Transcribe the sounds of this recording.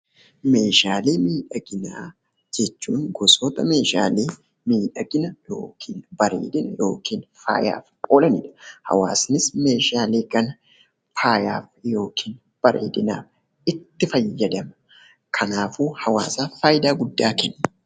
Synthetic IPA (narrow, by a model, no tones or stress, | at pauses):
me̞ːʃaːleːmiːᶑɐɡɪnaː | d͡ʒɛt͡ʃːuːŋɡɔsɔt̪ʼɐme̞ːʃa̰ːleː | miːᶑɐɡɪnɐjo̰ːkʰiːnbɐɾḛːd̪ɪnɐjo̞̰ːkʰiːnfa̰ːja̰ːfkʼoːlɐnɪ̰ᶑɐ̥hɐ̰wa̰ːsnɪsme̞ːʃaːleːkɐn | faːja̰ːfjo̞ːkʰiːn | b̥ɐɾḛːd̪ɪna̰ːf | ɪt̪ːɪfɐjːɐd̪ɐmɐ | kʰɐnaːfuːhɐwa̰ːsaːfaːjɪd̪aːɡʊd̪ːaːkɛnːɐ̥